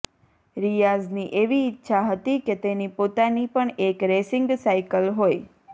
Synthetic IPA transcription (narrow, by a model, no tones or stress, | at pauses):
ɾijazniʔeʋiːtːʃʰaɦət̪iket̪enipot̪anipəɳekɾesɪŋɡsaikəlɦoj